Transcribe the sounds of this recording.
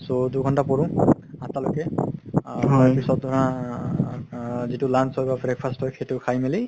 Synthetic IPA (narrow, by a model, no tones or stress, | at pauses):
soduɡʱɔntapɔɹũ | atalokɛ | ɔjpisɔt̚dʱɔɹa | zitʊlansɔjbabɹɛkpʰastɔkxejtʊkʰajmeli